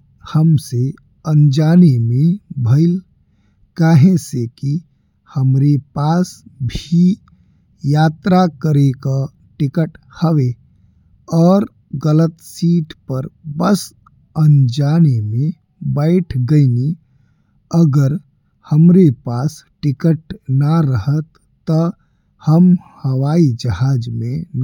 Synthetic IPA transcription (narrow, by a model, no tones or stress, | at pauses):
həmse | ə̃nd͡ʒaːnemẽbʱəɪl | kaːɦẽseki | həmɾepaːsbʱi | jaːt̪ɾakəɾeka | ʈɪkəʈ | həʋe | ɔːɾ | ɡələt̪siːʈpəɾbəs | ənd͡ʒaːnemẽ | bəɪʈʰɡəini | əɡəɾ | həmɾepaːsʈɪkəʈnəɾəɦət̪ː | ə | həmhəwaːid͡ʒəɦaːd͡ʒmẽn